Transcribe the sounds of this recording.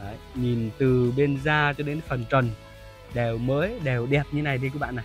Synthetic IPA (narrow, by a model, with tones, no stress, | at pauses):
ə˨˦ | ɲi˨˩nt̪ɨ˨˩ɓe˧nzaː˧t͡ɕɔ˧ɗe˨˦n˦fə˨˩nt͡ɕə˨˩n | ɗɛ˨˩wməː˨˦jɗe˨˩wɗɛ˨˩p̚ɲɨ˧e˦na˨˩jt̪ʰi˧kɨ˧˦˥ɓa̰ː˧˨na˨˩